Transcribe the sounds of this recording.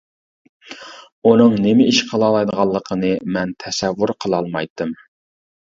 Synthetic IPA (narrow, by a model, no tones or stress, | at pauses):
unɨŋnɪmɪʔiʃqʰəlˠɑːlˠɑjd̪əʁɑlˠːəqʰənɨmɛnt̪ʰɛsɛvːuɾqʰəlˠɑlˠmɑjt̪ːɨm